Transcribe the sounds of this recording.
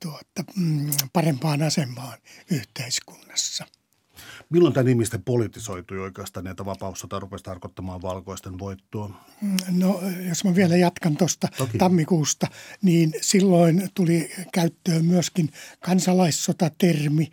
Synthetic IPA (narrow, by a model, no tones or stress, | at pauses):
t̪uot̪ːɑpɑrempɑːnɑsemˑɑːnyht̪eisku̥nːɑ̥sːɑ | milːont̪ænihmist̪epolit̪isoit̪uioikeɑst̪ɑːnæit̪æʋɑpɑust̪ɑt̪ɑrupest̪ɑrkot̪ːɑmɑːʋʋɑlkoist̪enʋoit̪ːoɑ | nojosmɑʋiɛlæjɑt̪kɑnt̪ost̪ɑt̪ɑmːikuːst̪ɑniːnsilːoint̪ulikæyt̪ːøːmyøskinkɑnsɑlɑissot̪ɑt̪ermi